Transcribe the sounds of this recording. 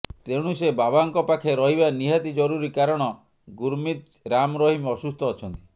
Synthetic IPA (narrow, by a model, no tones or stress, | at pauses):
t̪eɽ̃usebabaŋkɔpakʰeɾɔɦibaniɦat̪id͡ʒɔɾuɾikaɾɔɽ̃ɔ | ɡuɾmit̪ | ɾamɾɔɦimɔsust̪ɔːt͡ʃʰɔnt̪i̥